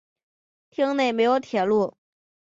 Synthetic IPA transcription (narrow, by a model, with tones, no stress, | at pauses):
t̪ʰi˥ŋne˥˩ɪme˧˥ɪjo˧˥ʊt̪ʰjɛ˨˩lu˥˩